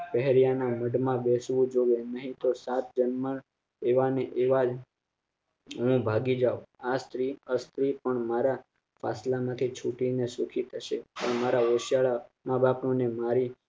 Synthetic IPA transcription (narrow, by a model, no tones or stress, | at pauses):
pɛɦɾijanaməɖmãbesʋũd͡ʒoʋenəɦĩt̪osat̪̚ʰd͡ʒənməɭ | eʋaneʔeʋad͡ʒ | ɦũbʱaɡid͡ʒaʋast̪ɾiəst̪ɾipəɳmaɾa | fa̰slamãt̪ʰit͡ʃʰuʈinesukʰit̪ʰəʃepəɳmaɾaoʃjaɭamãbapnũnemaɾi